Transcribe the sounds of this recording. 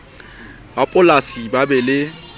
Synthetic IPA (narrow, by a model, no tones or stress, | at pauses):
bapʼʊlasibabɛlɪ